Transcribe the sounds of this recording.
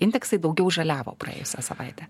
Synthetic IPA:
ɪnʲd̪ʲɛksɐɪd̪ɒʊɡʲɛʊʒɐlʲæːʋo̰ːprɐ̰ḛːjʊsʲæ̰sɐʋɐ̰ɪt̪ʲæ

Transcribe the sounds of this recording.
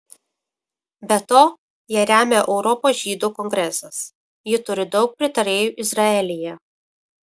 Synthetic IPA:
bʲɛt̪oː | jiɛɾʲæːmʲeʔɛʊɾɔpoːsʒʲiːd̪uːkɔŋʲɡɾʲɛsɐs | jɪt̪ʊɾʲɪd̪ɒʊk̚pʲɾʲɪt̪ɐɾʲeːjuːʔɪzɾɐɛlʲɪjɛ

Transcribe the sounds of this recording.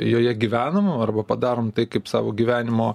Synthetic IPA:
joːjɛɡʲiːʋʲæːnɐmɐrbɐpɐd̪ɑːɾoːmt̪ɐɪkɐɪpsɑːʋoːɡʲiʋʲæːnʲɪmoː

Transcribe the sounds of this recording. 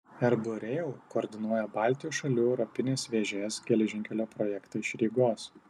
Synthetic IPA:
ɛɾbʊɾʲɛlˠkoːɾʲd̪ʲɪnuɔjɛbɑˑlʲt̪ʲɪjuːsʃɐlʲuːɛʊɾɔpʲɪnʲeːsʋʲeːʒʲeːsɡʲɛlʲɛʒʲɪŋʲkʲɛlʲoːpɾɔjɛkt̪ɐɪʃɾʲiːɡoːs

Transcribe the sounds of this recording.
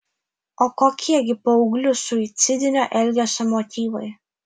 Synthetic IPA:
oːkoːkʲiɛɡʲɪpoʊɡlʲʊsʊɪt̪sʲɪd̪ʲɪnʲoʔɛlʲɡʲɛsʊmɔt̪ʲiːʋɐɪ

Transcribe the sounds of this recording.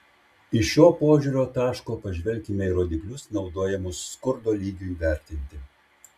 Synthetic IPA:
ɪʃʃʲoːpoːʒʲuːɾʲoːt̪ɑːʃkoːpɐʒʲʋʲɛlʲkʲimʲɛiɾoːd̪ʲɪklʲʊsnɒʊd̪oːjɛmʊsːkʊɾd̪oːlʲiːɡʲuiːʋʲæˑɾʲt̪ʲɪnʲt̪ʲɪ

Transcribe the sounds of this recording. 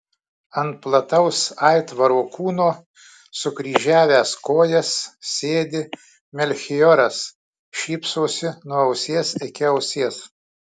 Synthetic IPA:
ɐnt̪̚plˠɐt̪ɐʊsɐɪt̪ʋɐɾoːkuːnoː | sʊɡɾʲiːʒʲæːʋʲæːskoːjɛssʲeːd̪ʲɪ | mʲɛlʲxʲɪjɔɾɐs | ʃʲiːpsoːsʲɪnuɐʊsʲeːsɪkʲɪɐʊsʲeːs

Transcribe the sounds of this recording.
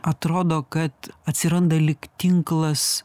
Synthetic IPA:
ɐt̪ɾoːd̪okɐt̪ɐt̪ʲsʲɪɾɐnd̪ɐlʲɪkt̪ʲɪŋklˠɐs

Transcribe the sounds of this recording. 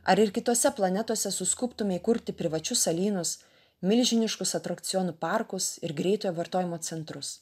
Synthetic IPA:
ɐɾɪɾkʲɪt̪oːsʲɛplˠɐnʲɛt̪oɔsʲɛsʊskʊpt̪ʊmʲɛɪkʊɾʲt̪ʲɪpʲɾʲɪʋɐt͡ʃʲʊsɐlʲiːnʊs | mʲɪlʲʒʲɪnʲɪʃkʊsɐt̪ɾɐkt̪sʲɪjɔːnʊpɑɾkʊsɪɾɡɾʲɛɪt̪oːjɛʋɐɾt̪oːjɪmoːt̪sʲɛnt̪ɾʊs

